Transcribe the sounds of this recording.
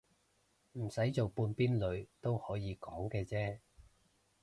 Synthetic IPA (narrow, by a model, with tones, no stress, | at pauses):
m̩˨˩sɐ˨˥jt͡so˨wpuː˧npiː˥nlɵ˨˧ɥt̪o˥whɔː˨˥jiː˨˧kɔː˨˥ŋkɛː˧t͡sɛː˥